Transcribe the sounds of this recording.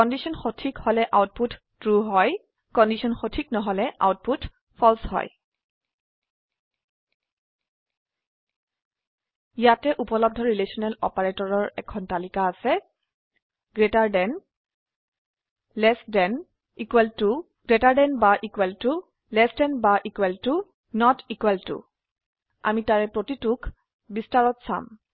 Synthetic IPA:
kɔndisɔnxotʰikhɔlɛʔawt̚putʰ | tɹuɦɔj | kɔndisɔnxotʰiknɔɦɔlɛʔa̰wt̚putʰ | pʰɔlshɔ̰j | ijatɛʔupɔlɔb̚dʱɔɹilesɔnɛlɔ̰paɹetɔɹɔɹɛkʰɔntalikaːsɛ | ɡɹetaɹdɛn | lɛsdɛn | ikwɛltu | ɡ̥ɹetaɹdɛnbaʔikwɛltu | lɛsdɛnbaʔikwɛltu | nɔtikwɛltṵ | a̰mitaɹɛpɹotitukʰ | bistaɹɔtsa̰m

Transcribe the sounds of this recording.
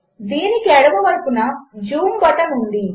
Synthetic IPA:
d̪iːnikiɛɽɐbɐʋɐɾpunɐd͡ʒuːmbɔʈɐnund̪i

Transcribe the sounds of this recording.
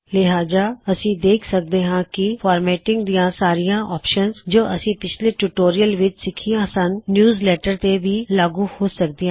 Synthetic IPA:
lɪɦaːd͡ʒaːɐsĩd̪eːkʰsək̚d̪eːɦãːkifɔːɾmɛːʈɪ̃ŋɡd̪ijãːsaːɾijãːʔɔːpʃənzd͡ʒoːʔɐsĩːpɪt͡ʃʰleʈuʈoːɾijəlʋɪt͡ʃsɪkʰijãːsənnjuːzleːʈəɾt̪ebʱiːlaːɡũhoːsək̚d̪iɦãː

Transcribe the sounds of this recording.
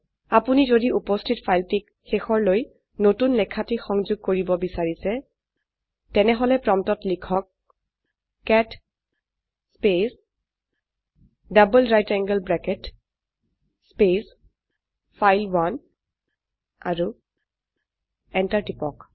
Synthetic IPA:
apunizodiupɔstʰitpʰajltik | xexɔɹloj | notunlɛkʰːatixɔŋzʊɡ̚koɹibɔbisaɹisɛ | tɛnɛɦɔlɛpɹɔmtɔtlikʰɔk̚ | ɛt | spes | dabəlɹajtɛŋɡəlbɹɛkɛt | spes | pʰajlwan | a̰ɹu | ɛntaɹtipɔk

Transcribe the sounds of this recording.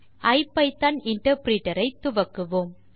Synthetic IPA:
ʔɐɪpːɐɪt̪ːɐnɪɳʈɐɾpɾiːʈːɐɾɐɪt̪ːʊʋɐkːɯʋoːm

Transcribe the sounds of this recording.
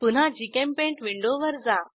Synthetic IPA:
pun̤ɦãd͡ʑikẽmpẽɳʈʋiɳɖoʋəɾd͡za

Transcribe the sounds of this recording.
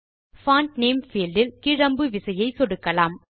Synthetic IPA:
faːnʈneːmfiːlɖɪlkɪɻɐmbɯʋɪsɐjɐɪsɔɽɯkːɐlaːm

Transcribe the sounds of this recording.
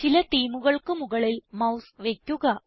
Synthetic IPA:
t͡ɕilɐt̪iːmuɣɐɭkɨmuɣɐɭilmɐwsʋekʲːuɣɐ

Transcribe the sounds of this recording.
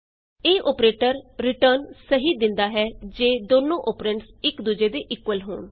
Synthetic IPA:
eːʔoːpɾeːʈəɾɾɪʈəɾnsəɦiːd̪ɪnd̪aːɦɛːd͡ʒeːd̪oːnõːʔoːpɾẽɳʈsɪkd̪uːd͡ʒeːd̪eːʔɪkwəlɦo̰ːɳ

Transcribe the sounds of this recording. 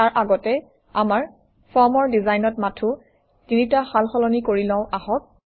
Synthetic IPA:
aɹʔaɡɔtɛ | amaɹ | fʰɔɹmɔɹdizajnɔtmatʰu | tinitaxalxɔlɔnikoɹilɔ̃ʊ̃ʔaɦɔk̚

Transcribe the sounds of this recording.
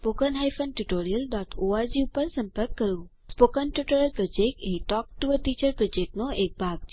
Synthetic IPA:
spokənɦajfənʈuʈoɾijəlɖɔʈʰoaɾd͡ʒiupəɾsə̃mpəɾkːəɾjũ | spokənʈuʈoɾjəlpɾɔd͡ʒek̚ʈeɦiʈɔk̚ʈuʋəɾʈit͡ʃəɾpɾɔd͡ʒek̚ʈnoek̚bʱaɡ

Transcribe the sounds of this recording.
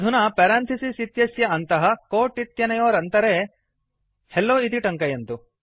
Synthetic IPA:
d̪ʱunɐpɐɾaːnt̪ʰɐsisit̪jɐsjɐɐnt̪ɐɦɐkoːʈːit̪jɐnɐjoːɾɐnt̪ɐɾeː | helːoːit̪iʈɐŋkɐjɐnt̪u

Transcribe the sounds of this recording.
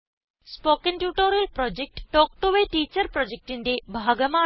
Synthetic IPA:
spoːkenʈjuːʈoɾelpɾɔd͡ʒek̚ʈːɔːk̚ʈuʋeʈiːt͡ʃəɾpɾɔd͡ʒek̚ʈind̪ebʱaːɡəma

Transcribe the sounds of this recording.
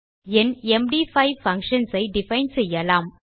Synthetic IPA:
ɛnɛmɖiːfɐɪfɐŋkʂɐnsɐɪɖɪfɐɪnsɛjːɐlaːm

